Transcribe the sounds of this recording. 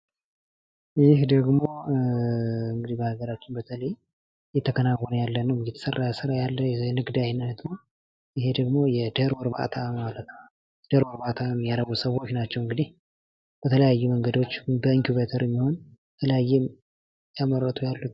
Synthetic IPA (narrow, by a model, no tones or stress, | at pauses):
jɪhd̪əɡmo̞ | ɨŋɡɨd̪ibəhaɡəɾat͡ʃːɪnbət̪ʰələj | jɛt̪ʰːəkʰənawːɔnəjalːənəwjɛt̪ʰə̥sərːajsɨɾajalːəjɛjɛnɨɡd̪ajnat̪mo | ɪɦe̞d̪əɡmo̞jɛd̪əɾwɔɾba̰t̪ʰamalət̪nə | d̪əɾwɔɾbat̪ʰamjaɾəβusəwo̞t͡ʃːnat͡ʃːɛwɨŋɡɨd̪ih | b̥ət̪ʰələjajːuməŋɡəd̪o̞t͡ʃːbəiŋkjuβet̪ʰəɾɛmːiho̞nət̪ʰələjajːɛm | jamərːət̪ʰujalːut̪